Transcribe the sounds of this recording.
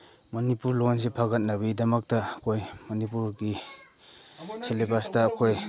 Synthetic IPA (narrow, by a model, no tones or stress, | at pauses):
mɐnipuɾlons̬epʰaɡɐt̚naβidɐmɐk̚tɐkʰojmɐnipuɾɡi | selebastɐːkʰoj